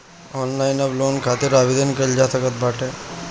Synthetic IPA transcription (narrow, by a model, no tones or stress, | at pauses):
ɔnlainɔʋlonkʰat̪iɾaʋid̪ənkəɾd͡ʒat̪ʰəkət̪̚baʈe